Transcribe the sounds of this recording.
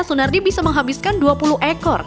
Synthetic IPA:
sunardibisaməŋɦabiskanduapuluɦʔɛkɔr

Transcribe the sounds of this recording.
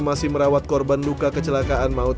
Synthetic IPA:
masɪhməɾawat̪̚kɔrbanlukakət͡ʃəlakaʔanmaʊt̪

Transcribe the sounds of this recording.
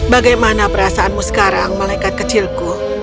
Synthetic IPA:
baɡajmanapəɾasaʔanmusə̥kaɾaŋmalajkat̪̚kət͡ʃɪlku

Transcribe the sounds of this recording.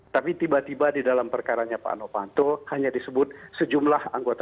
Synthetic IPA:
t̪apit̪ibat̪ibadidalampərkaɾaɲapa̰ʔnopant̪ohaɲadisəbʊt̪̚səd͡ʒumlahaŋɡot̪a

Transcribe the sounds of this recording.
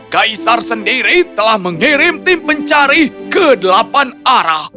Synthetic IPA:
kaisarsəndiɾit̪əlahməŋiɾɪmt̪ɪmpəɲt͡ʃaɾikədəlapanaɾah

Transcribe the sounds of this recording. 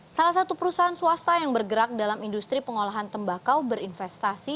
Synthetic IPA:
salahs̬at̪upəɾusaɦansuast̪ajaŋbərɡəɾak̚dalamindust̪ɾipəŋolaɦant̪əmbakawbəɾinfɛst̪asi

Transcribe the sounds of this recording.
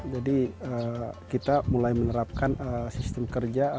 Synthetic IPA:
d͡ʒadiəkit̪amulajmənəɾap̚kanəsist̪əmkərd͡ʒa

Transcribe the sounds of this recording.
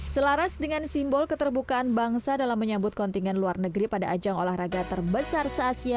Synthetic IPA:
səlaɾasdəŋansimbɔlkət̪ərbukaʔanbaŋsadalamːəɲabʊt̪̚kɔnt̪iŋɡɛnluarnəɡɾipadaʔad͡ʒaŋolahraɡat̪ərbəsarsaːsia

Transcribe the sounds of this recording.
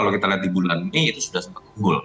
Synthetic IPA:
alokit̪aliɦat̪̚dibulaniit̪usudahsəmpat̪̚kuŋɡʊl

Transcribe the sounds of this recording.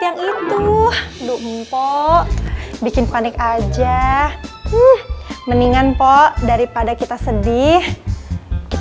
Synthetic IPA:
jaŋit̪udumpɔʔbikɪnpanɪkad͡ʒa | hməniŋanpɔʔdaɾipadakit̪asədɪh | kit̪

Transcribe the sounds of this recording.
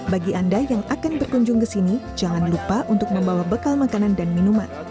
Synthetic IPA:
baɡiʔandajaŋakanbərkuɲd͡ʒʊŋkəsinid͡ʒaŋanlupaʔunt̪ʊk̚məmbawabəkalmakanandanminuman

